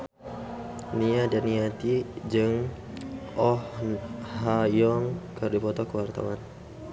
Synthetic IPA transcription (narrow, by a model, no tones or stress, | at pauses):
niadaniat̪id͡ʒɨŋ | ɔhhajɔŋkərdipɔt̪ɔkəwart̪a̰wan